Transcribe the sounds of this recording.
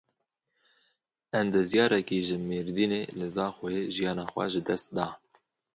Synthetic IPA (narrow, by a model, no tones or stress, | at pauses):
ɛnd̪ɨzjɑːɾɛkiːʒɨmeːɾd̪iːnelɨzɑːxʊjeʒijɑːnɑːxʷɛ̰ʒɨd̪ɛst̪̚d̪ɑː